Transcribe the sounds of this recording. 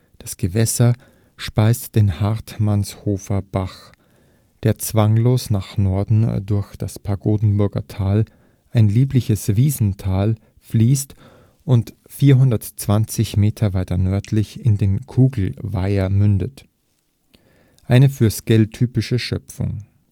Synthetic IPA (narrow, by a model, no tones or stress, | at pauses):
d̥asɡ̥əvɛsɐ | ʃpaɪstd̥eːnhaʁtmanshoːfɐb̥aχ | d̥eːɐt͡sv̥aŋloːsnaːχnɔɐdn̩dʊɐçd̥aspʰaɡoːdn̩bʊɐɡɐ̰tʰaːl | ʔaɪnliːplɪçəsviːzn̩tʰaːl | fliːst | ʔʊnt | fiːɐɦʊndɐtt͡sv̥ant͡sɪçmeːtʰɐvaɪtɐnœɐtʰlɪçɪndeːnkʰuːɡl̩vaɪɐmʏndət | ʔaɪnəfyːɐsɡ̥ɛltʰːyːpɪʃəʃœpp͡fʊ̰ŋ